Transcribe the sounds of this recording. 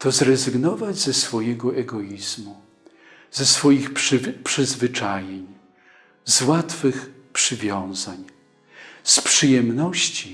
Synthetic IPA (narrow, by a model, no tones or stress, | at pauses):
t̪ɔzɾɛzɘɡnɔvad͡ʑzɛsfɔjɛɡɔʔɛɡɔizmu | z̥ɛsfɔjixpʂpʂɘzvɘt͡ʂajeɲ | zwat̪fɘx | pʂɘvʲjɔ̃w̃zaɲ | spʂɘjɛmnɔɕt͡ɕi